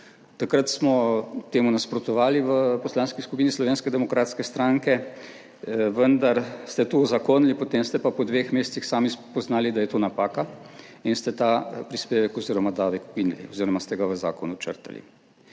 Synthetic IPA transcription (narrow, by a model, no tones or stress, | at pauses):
t̪akɾət̪smɔt̪eːmunaspɾɔt̪ɔʋaːliʋəpɔslaːnskiskupiːnislɔʋeːnskɛd̪ɛmɔkɾaːt̪skɛst̪ɾaːŋkɛ | ʋənd̪aɾst̪ɛt̪ozakoːnlipot̪eːmst̪ɛpapɔd̪ʋexmeːst̪sixsaːmipɔznaːlid̪ajɛt̪oːnapaːka | inst̪ɛt̪aːpɾispeːʋɛkɔziːɾɔmad̪aːʋɛkoɡinlḭɔziːɾɔmast̪ɛɡaʋəza̰ːkɔnut͡ʃə̰ɾt̪a̰lḭ